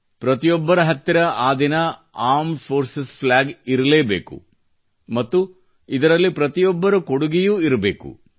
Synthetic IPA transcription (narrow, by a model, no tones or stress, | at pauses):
pɾɐt̪ijɔbːɐɾɐɦɐt̪ːiɾɐaːd̪inɐ | aːɾmfʰoːɾsesplaːɡiɾɐleːbḛːkṵ | mɐt̪ːu | id̪ɐɾɐlːipɾɐt̪ijɔbːɐɾɐkoɽuɡijuiɾɐbe̞̰ːkṵ